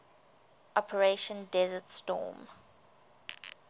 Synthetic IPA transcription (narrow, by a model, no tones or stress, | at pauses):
ʔɔpʰəɹeʃə̃ndɛzətstɔ̰ːm